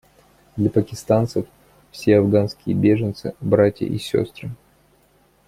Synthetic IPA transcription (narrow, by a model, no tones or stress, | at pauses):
d̪lʲɐpəkʲɪst̪ant̪səf | fsʲeɐvɡanskʲɪjəbʲe̞ʐɨnt̪sɨ̰bɾatʲjə̰ʔisʲo̰st̪ɾɨ